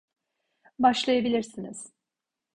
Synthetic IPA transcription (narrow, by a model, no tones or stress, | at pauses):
baʃlˠajabilʲiɾsiniz̥